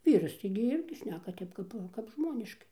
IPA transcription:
ˈʋʲiːrɐs tɐɪɡʲɪ ˈɪrʲɡʲɪ ˈʃʲnʲæːkɐ ˈtʲɛp kɐp kɐp ˈʒmoːnʲɪʃkɐɪ

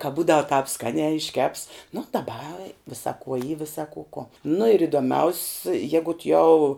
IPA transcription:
kɐ ˈbuːdɐw tɑːp ˈskɑːnʲæː ɪʃʲˈkʲɛps nʊ dɐˈbɐ ˈʋʲɪsɐ kuɔ iː ˈʋʲɪsɐ kʊ kuɔ nʊ ɪr ɪdoːˈmʲɛʊsʲ ˈjæːɡʊt jɛʊ

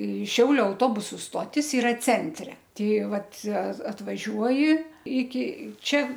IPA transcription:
ɪ ˈʃʲɛʊlʲʊ ɐʊˈtoːbʊsʊ ˈstoːtʲɪs ɪˈrɐ ˈt͡sʲɛnʲtʲrʲɛ ˈtʲɛɪ ˈʋɐt ɐ ɐtʋɐˈʒʲuɔjɪ ɪkʲɪ ˈt͡ʃʲɛ

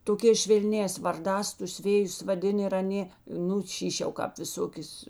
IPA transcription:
toːˈkʲɛːs ʃʲʋʲɛlʲˈnʲɛːs ʋɐrˈdɑːs tʊs ˈʋʲeːjʊs ʋɐˈdʲɪn ɪr ɐˈnʲeː ˈnʊ ˈʃʲiːʃʲ jɛʊ ˈkɑːp ʋʲɪˈsoːkʲeːs

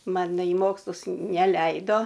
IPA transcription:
ˈmɐn nɐ iː ˈmoːkslˠʊs nʲɛˈlʲɛɪdoː

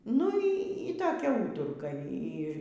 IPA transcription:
nʊ ˈiː toːˈkʲɛ ˈuːtʊrkɐ ˈiː

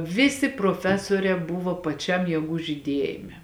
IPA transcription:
ˈʋʲɪsʲɪ proːˈfʲæːsuɔrʲɛː ˈbʊʋoː pɐˈt͡ʃʲɛm jiɛˈɡuː ʒʲiːˈdʲiɛjɪmʲɛ

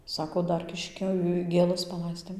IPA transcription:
ˈsɑːkoː ˈdɐr ˈkʲɪʃʲkʲoː ɡʲeːˈlˠɐs pɐˈlˠɐɪsʲtʲeːm

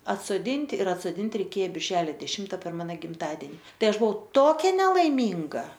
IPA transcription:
ɐtsoːˈdʲɪnʲtʲɪ ɪr ɐtsoːˈdʲɪnʲtʲɪ rʲɛɪˈkʲeː bʲɪrʲˈʒʲæːlʲoː dʲɛˈʃʲɪmtɐ pʲɛr ˈmɑːnoː ɡʲɪmˈtɑːdʲɛnʲɪ ˈtɐɪ ˈɐʃ bʊˈʋɐʊ ˈtoːkʲɛ nʲɛlˠɐɪˈmʲiːŋɡɐ

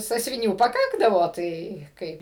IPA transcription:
sɑːsʲʋʲɪˈnʲuː pɐˈkɑːɡdɐʋoː ˈtɐɪ ˈkɐɪp ɪ

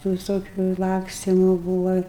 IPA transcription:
tuː ʋʲɪˈsoːkʲʊ ˈlˠɑːksʲtʲɪmʊ ˈbuːʋɐ

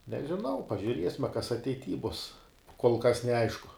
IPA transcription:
nʲɛʒʲɪˈnɐʊ pɐʒʲʊˈrʲiɛsʲmʲɛ kɐs ɐtʲɛɪˈtʲiː bʊs koːlˠ kɐs nʲɛˈɐɪʃkʊ

